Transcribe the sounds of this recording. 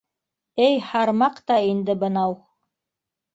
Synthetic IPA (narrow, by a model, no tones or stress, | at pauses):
ɘjhɑɾmɑqt̪ɑind̪ɘbɤ̆nɑw